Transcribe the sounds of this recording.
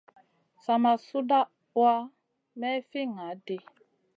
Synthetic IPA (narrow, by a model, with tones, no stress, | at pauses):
sa˨ma˨su˦da˦ | wa˦ | mɛ˦fi˦ŋa˨˦dɪ˦